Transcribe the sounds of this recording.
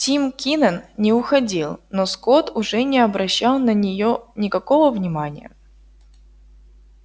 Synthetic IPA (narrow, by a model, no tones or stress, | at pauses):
tʲimkʲinənnʲɪʊxɐdʲilˠnoskot̪ʊʐɛnʲɪɐbɾɐɕːalˠnənʲɪjonʲɪkɐkovəvnʲɪmanʲɪ̰jə̰